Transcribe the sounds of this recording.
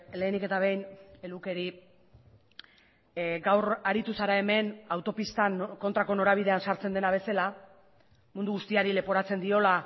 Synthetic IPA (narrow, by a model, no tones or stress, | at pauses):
le̞ːnike̞t̪aβ̞e̞jne̞luke̞ɾi | ɡawɾaɾit̪usaɾae̞me̞nawt̪o̞pist̪anko̞nt̪ɾako̞no̞ɾaβ̞iðe̞ansaɾt͡se̞nd̪e̞naβ̞e̞sela | mund̪uɣust̪iaɾile̞po̞ɾat͡se̞nd̪io̞la